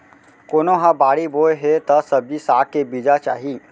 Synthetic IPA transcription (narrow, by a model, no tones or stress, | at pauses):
koːnoɦãbaːɽiboeɦet̪ɐsəbisaːʈ̚kebid͡ʒat͡ʃa̰ːɦi